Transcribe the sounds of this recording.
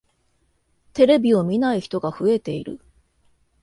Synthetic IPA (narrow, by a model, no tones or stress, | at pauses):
t̪e̞ɾe̞bʲio̞mʲinaiçi̥t̪o̞ɡaɸɯ̟e̞t̪e̞iɾɯ̰